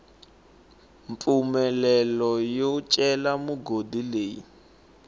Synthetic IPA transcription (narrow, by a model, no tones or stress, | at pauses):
ɱpumɛlɛlɔjot͡ʃʼɛlamuɡodileːjḭ